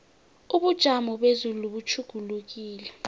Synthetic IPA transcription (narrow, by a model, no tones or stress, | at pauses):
uɓud̥ʒ̥ʱamɔɓezululuɓut͡ʃʰuɡ̥ʱuluk̬iːlɛ